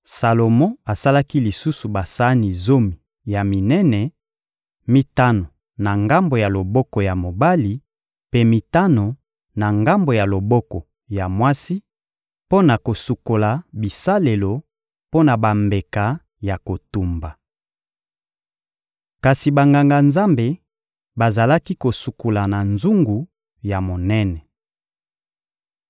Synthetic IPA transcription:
sa˨lo˨mɔ̃˦a˨sa˦la˦ki˦li˨su˦su˨ba˨sa˦ni˨zo˦mi˨ | ja˨mi˨nɛ˦nɛ˨ | mi˨ta˦no˨ | na˨ŋɡa˦mbo˨ja˨lo˨bɔ˦kɔ˨ja˨mo˨ba˦li˨ | pe˦mi˨ta˦no˨ | na˨ŋɡa˦mbo˨ja˨lo˨bɔ˦kɔ˨ | ja˨mwa˦si˦ | po˦na˨ko˨su˨ko˨la˨bi˨sa˦le˨lo˨ | po˦na˨ba˨mbe˨ka˨ | ja˨ko˨tu˨mba˨ | ka˨si˨ba˨ŋɡa˨ŋɡa˨nza˦mbe˨ | ba˨za˨la˦ki˦ko˨su˨ko˨la˨na˨nzu˦ŋɡu˨ | ja˨mo˨nɛ˦nɛ˨

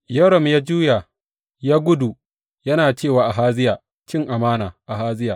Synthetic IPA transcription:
jɐ˦ɽɐ˨mjaː˦d͡ʒuː˦ja˨ | jaː˦ɡʷʊ˦du˨ | jɐ˦naː˨t͡ʃeː˦˨waː˨ʔa˨ɦaː˦zɪ˦jaː˨ | t͡ʃɪ˦ŋʔa˨maː˦naː˨ʔa˨ɦaː˦zɪ˦jaː˨

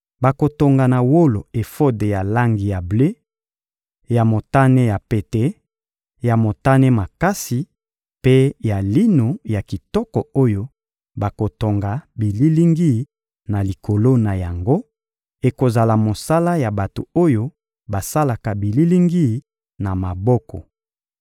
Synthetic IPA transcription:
ba˨ko˨to˨ŋɡa˨na˨wo˦lo˨e˨fo˦de˨ja˨la˦ŋɡi˨ja˨ble˦ | ja˨mo˨ta˦ne˦ja˨pe˨te˦ | ja˨mo˨ta˦ne˦ma˨ka˦si˨ | pe˦ja˨li˦no˨ja˨ki˨tɔ˦kɔ˨o˦jo˦ | ba˨ko˨to˨ŋɡa˨bi˨li˦li˦ŋɡi˦˨˦ | na˨li˨ko˨lo˦na˨ja˨ŋɡo˦ | e˨ko˨za˨la˨mo˨sa˦la˦ja˨ba˨to˨o˦jo˦ | ba˨sa˦la˨ka˨bi˨li˦li˦ŋɡi˦ | na˨ma˨bɔ˦kɔ̰˨

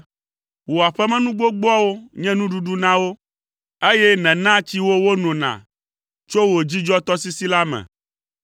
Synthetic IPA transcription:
wo˨a˨ɸɛ˦mɛ̃˦nũ˦ɡ͡bo˦ɡ͡bɔ˦wo˦ɲɛ̃˦nũ˦ɖu˨ɖu˦nã˦wo˦ | e˦jɛ˦nɛ̃˨nã˦t͡ɕi˦wo˦wo˦nɔ̃˨nã̰˨ | t͡ʃo˦wo˨d͡ʑi˦d͡ʒɔ˦t̪ɔ˦si˦si˦la˦mɛ̰̃˨

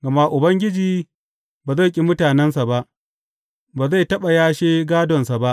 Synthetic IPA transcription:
ɡɐ˨ma˦ʔʊ˨bɐ˦ŋɡʲɪ˦d͡ʒiː˦ | baː˨za˦˨kʲʼi˦mʊ˦taː˨nɛ˦nsa˨ba˦ʔ | baː˨za˦˨jtɐ˦ɓa˨jaː˦ʃeː˦ɡaː˦dɔ˨nsa˨ba˦ʔ

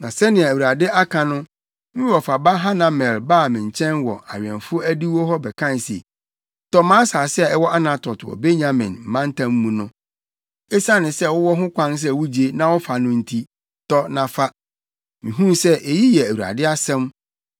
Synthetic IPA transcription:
nã˨sɛ˦nɪ̃˨ɛ˨æ˨wu˨ɾa˨dɪ˦ʔa˦kʰã˨nʊ̃˦ | mɪ̃˦wɔ˨fa˨ba˦ɦã˦nã˨mɛ̃˨lbaː˦˨mɪ̃˨ɲ˨t͡ɕʰɛ̃˦nwɔ˨a˨ɥɛ̰̃˨nfʊ˦o˦æ˦di˦wɔ˦ɦɔ˦bɛ˨kʰã˦n˨sḛ˨ | tɔ˦mãː˦saː˨sɪ˦ɛ˦ɛ˦wɔ˦ʔa˦nã˨tʰɔ˨twɔ̰˨be˦ɲã˦mɪ̰̃˨nm̩˨mã˦n̩˦tʰã˦mː˦ũ˨nʊ̃˦ | ɛ˦sa˦nɪ̃˨sɛ˦˨wʊ˦wɔ˦ɦʊ̃˦kʷʰã˦ns̬ɛ˦˨wu˦d͡ʑi˨e˦nã˦wɔ˦fa˨nʊ̃˦n̩˦tʰi˦ | tɔ˦nã˨fa˦ | mĩ˨ɦũ˦msɛ˦ʔe˨ji˦jɛ˨æ˨wu˨ɾa̰˨dɪ˦a˦sɛ̃˦m

